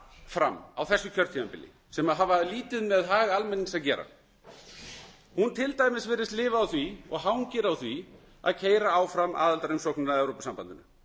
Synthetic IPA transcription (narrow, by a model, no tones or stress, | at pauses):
fɾa̰mawθɛsːʏcʰœɾt̪ʰivampɪ̰lːɪ̰ | sɛmaðɦaːvaliːt̪ɪðmɛðɦaːɣaalmɛnːiŋsaðcɛːɾa̰ | hunt̪ʰɪlt̪aːjmɪsvɛːɾɪst̪lɪːvaːwθviɔ̰ɣɦawŋcɪɾawθvi | a̰ðcʰeːjɾaawfɾamʔa̰ːðalt̪aɾʏmsɔknɪnaðɛwɾowpasampa̰nt̪ɪnʏ